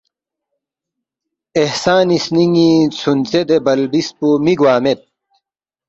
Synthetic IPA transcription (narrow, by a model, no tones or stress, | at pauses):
ehsaːnisniŋit͡sʰunt͡sed̪ebɐlbispumiɡwaːmet̪̚